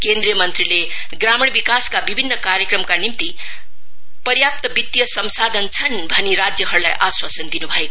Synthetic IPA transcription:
kend̪ɾijʌmʌnt̪rile | ɡramiɳ̃bikaskabibʱinːʌkaɾjəkrʌmkanimt̪i | pʌrjap̚t̪ʌbit̪jʌsʌmsad̪ʱʌnt͡sʰʌnbʱʌnːiɾad͡zjʌɦʌɾula̰jʔaswasʌnd̪inubʱʌeko

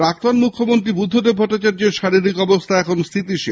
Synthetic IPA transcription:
ɾak̚t̪onmukʰːomont̪ɾibud̪ʱːod̪ebʱɔʈːat͡ɕaɾd͡ʑeɾʃaɾiɾikɔbost̪ʰaɛkʰonst̪ʰit̪iʃe

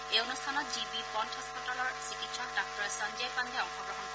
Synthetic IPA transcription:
ejonustʰanɔtd͡ʒibipɔntʰɔspɔtalɔɹsikitsʰɔk̚dak̚tɔɹɛsand͡ʒajpand̪ʱɛɔkʰɔɡɹɔɦɔnkɔ

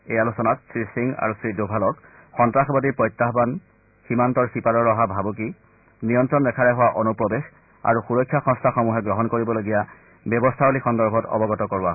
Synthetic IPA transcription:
ejalusɔnatsɹisiŋa̰ɹusɹidobʱalɔk | xɔntɹaxbadiɹpɹɔjtːaɦban | ximantɔɹsipaɾɔɹːɔɦabʱabuk̬i | nijɔntɹɔnɹɛkʰaɹɛɦʊwaʔonupɹɔbex | a̰ɹuxuɹɔkʰːjaxɔ̃nstʰaxɔmuɦɛɡɹɔɦɔnkoɹibɔloɡija | bjɔbɔstʰaolixɔndɔɹbʱɔtɔ̰bɔɡɔtɔkɔɹua

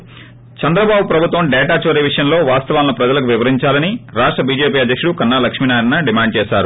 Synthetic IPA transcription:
t͡ʃɐnd̪ɾɐbaːbupɾɐbʱut̪ʋɐmɖɛːʈaːt͡ʃʋɐɾiʋiʂɐjɐmlo̞ːʋaːst̪ɐʋaːlːɐpɾɐd͡ʒɐlɐk̬uʋiʋɐɾiɲt͡ʃaːlɐniɾaːʂʈɾɐbiːd͡ʒe̞ːpiːɐd̪ʱːɐkʂuɽukɐnːaːlɐkʂminaːjɐɾɐnːɐɖimaːɳɖ̚t͡ʃɛːsaːɾu

